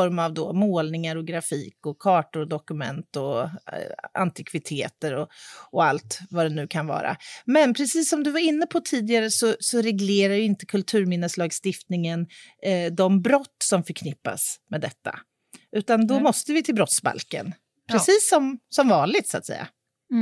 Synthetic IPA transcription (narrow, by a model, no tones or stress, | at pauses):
ɔɾmavd̪oːmoːlnɪŋaɾɔɡɾafiːkɔkʰɑːʈʊɾɔd̪ɔkɵmɛ̰nt̪ɔ | a̰nt̪ʰɪkʰvɪt̪ʰeːt̪əɾɔɔalt̪vad̪ɛnʉ̟ːkʰanvɑ̰ːɾa̰mɛnpʰɾɛsiːsːɔmd̪ɵvaɾɪnːəpʰɔt̪ʰiːd̪ɪɡaɾəsɔsɔɾɛɡleːɾaɾjɵɪnt̪əkʰɵlt̪ʰʉ̟ːɾmɪnːəslɑːɡst̪ɪft̪nɪŋənd̪ɔmbɾɔt̪ːsɔmfœɾkʰnɪpːa̰smɛːd̪ɛt̪ːa̰ | ʔʉ̟ːt̪and̪ɔmɔst̪əvɪt̪ʰɪlbɾɔt̪sba̰lkə̰n | pʰɾɾɛsiːsːɔmsɔmvɑːnlɪt̪sʊat̪sɛ̰jːa̰